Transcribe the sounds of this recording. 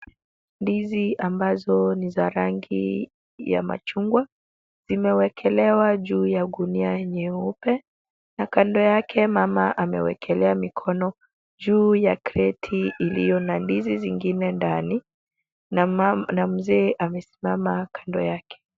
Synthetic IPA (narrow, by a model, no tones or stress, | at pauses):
ndiziʔambazɔnizaɾaŋɡḭ | ja̰ma̰t͡ʃuŋɡwa | z̥imɛwɛkʰɛlɛwaʄuːjaɡuniaɲɛupɛ | nakandɔjakʰɛmamaʔamɛ̰wɛ̰kʰɛlɛamikʰɔnɔ | ʄuːjakɾɛtʰiʔːlijɔnandiziziŋɡinɛndani | nam̩zɛːʔamɛsi̥mamakʰandɔjakɛ̥